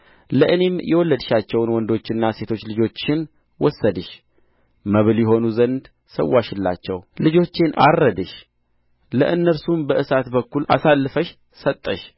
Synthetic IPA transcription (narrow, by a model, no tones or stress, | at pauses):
ləʔɨne̞mjʔɛwɔlːəd̪ɨʃat͡ʃːɛwnwɔnd̪o̞t͡ʃːɪnːase̞t̪ʰo̞t͡ʃːlɨd͡ʒo̞t͡ʃːɪn | wɔsːəd̪ɨʃ | məβɨljɛɦo̞nuzənd̪ | səwːaʃɪlːa̰t͡ʃːɛwlɨd͡ʒo̞t͡ʃːɪnʔa̰rːəd̪ɨʃ | ləʔɨnːəɾsumbəʔɨsat̪bəkːulʔa̰salːɨfəʃ | sət̪ʼːəʃ